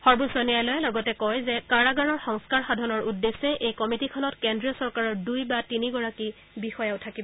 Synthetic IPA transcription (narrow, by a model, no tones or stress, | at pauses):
xɔɹbusɔnijajlojlɔɡɔtɛkɔjzɛkaɹaɡaɹɔɹxɔŋskaɹxadʱɔnɔɹʔudːesɛʔejkɔmitikʰɔnɔtkendɹiɔsɔɹkaɹɔɹdujbatiniɡɔɹaki | bixɔjawtʰakibɔ